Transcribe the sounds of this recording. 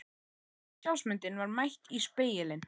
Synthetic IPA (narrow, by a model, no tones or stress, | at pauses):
saw̪smʏnt̪ɪnvaɾmajht̪ispeːjɪlɪn